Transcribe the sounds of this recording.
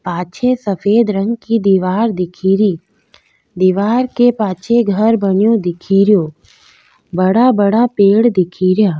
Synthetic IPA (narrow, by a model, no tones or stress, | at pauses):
paːt͡ʃʰesəfʰeːd̪ɾə̃ŋɡkid̪iːʋaːɾd̪ɪkʰiːɾiː | d̪iːʋaːɾkepaːt͡ʃʰeɡʱəɾbənjõd̪ɪkʰiːɾijoː | bɐɽabəɽapeːɽd̪ɪkʰiːɾjaː